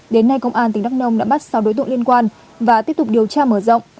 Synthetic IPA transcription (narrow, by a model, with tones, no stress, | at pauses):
ɗe˨˦nːa˧jkə˧wŋ͡mʔaː˧nt̪ï˨˩ŋ̟ɗa˦˥k̚nə˧wŋ͡mɗa̰ː˧˥ɓa˦˥t̚sa˧wɗo˨˦jt̪ɨ̰˧˨li˧ənkwaː˧n | vaː˨˩t̪i˦˥p̚t̪ʊ˨˩k͡p̚ɗi˨˩əwt͡ɕaː˧məː˧˩zə̰˧˨wŋ͡mʔ